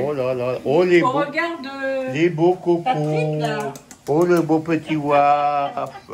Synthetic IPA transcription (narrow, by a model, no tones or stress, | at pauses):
olalaoleboɡaʁd̪əlebokoko | olebõpət̪iwa